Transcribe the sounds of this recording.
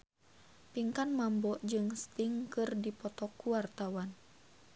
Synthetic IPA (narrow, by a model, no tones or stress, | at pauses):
piŋkanmambɔʔd͡ʒɨŋst̪iŋkɨrdipɔt̪ɔkuwart̪awan